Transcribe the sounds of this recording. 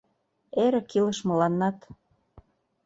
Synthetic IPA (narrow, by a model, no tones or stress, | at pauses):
eɾĕkilə̆ʃmɤ̆lɑnːɑt̪